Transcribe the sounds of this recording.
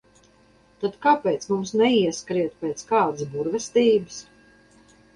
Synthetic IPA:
t̪at̪kapɛːt̪smumsnɛiɛskɾiɛt̪pʲɛːt̪skaːd̪ɨsbuɾvɛst̪iːbɨs

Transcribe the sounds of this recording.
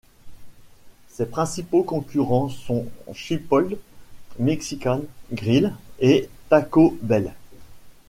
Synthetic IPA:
sepχɛ̃sipokɔ̃kʲyʁɑ̃sɔ̃ʃypɔld̪mɛksikʲanɡʁilet̪akobɛl

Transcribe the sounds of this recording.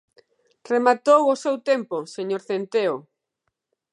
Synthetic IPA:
remat̪owosewt̪emposeɲoɾθent̪eo

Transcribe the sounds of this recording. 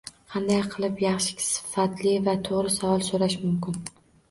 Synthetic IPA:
qʰɑnd̪ajqʰɨlˠɪpjɑχʃɪ̥kʲʰsɪ̥fat̪ʰlɪvat̪ʰoʁɾɪsavɒlˠsoɾaʃmʊmkʲɪn

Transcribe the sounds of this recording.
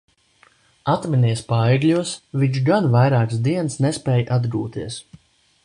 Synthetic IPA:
at̪minʲiɛspajɛɡlʲuɔsvʲiɲt͡ʃʃɡanvajɾaːksd̪iɛnsnɛspɛːjʔad̪ɡuːt̪iɛəs

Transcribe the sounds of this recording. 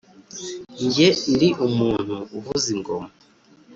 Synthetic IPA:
ɲɟendiʔumuːn̥huːvuziŋɡoma

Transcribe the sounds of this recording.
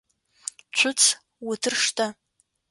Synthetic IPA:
t͡ʃʷʰʊt͡sʰ | wutʰɨrʂtʰʼa

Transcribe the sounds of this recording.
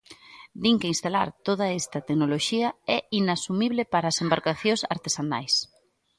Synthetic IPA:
d̪iŋkeinst̪ala̰ɾt̪oð̞ɐɛst̪ɐt̪eknoloʃiɐɛinasumiβlɪpaɾaːsembaɾkaθjõsaɾt̪esana̰js

